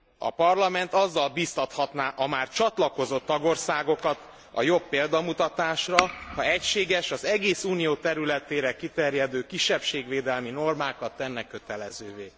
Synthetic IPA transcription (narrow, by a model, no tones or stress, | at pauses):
ɒ̰pɒrlɒmɛnt̪ɒzːɒlbiːst̪ɒt̪hɒt̪naːʔɒmaːrt͡ʃɒt̪lɒko̞zo̞t̪ːɒɡo̞rsaːɡo̞kɒt̪ | ɒ̰jo̞pːeːld̪ɒmut̪ɒt̪aːʃrɒhɒɛcʃeːɡɛʃɒzɛɡeːsuːnijoːt̪ɛɾylɛt̪eːɾɛkit̪ɛrjɛd̪øːkiʃːɛpʃeːɡʋeːd̪ɛlmino̞rmaːkɒt̪ːɛnːɛkːøt̪ɛlɛzøːveː